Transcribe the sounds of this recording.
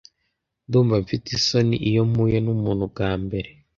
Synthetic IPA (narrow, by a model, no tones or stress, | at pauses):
nduːɱvaɱfitisonḭʔijom̥ujenumuːnhuɡɡaːmbe̞ɾe